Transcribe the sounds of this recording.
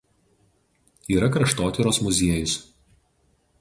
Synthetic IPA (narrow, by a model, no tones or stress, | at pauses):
iːɾɐkɾɐʃt̪oːt̪ʲɪɾoːsmʊzʲiɛjʊs